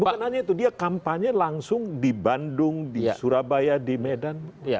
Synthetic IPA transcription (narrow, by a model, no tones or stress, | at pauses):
bukanhad͡ʒait̪udiakampaɲalaŋsʊŋdibandʊŋdisuɾabajadimedanja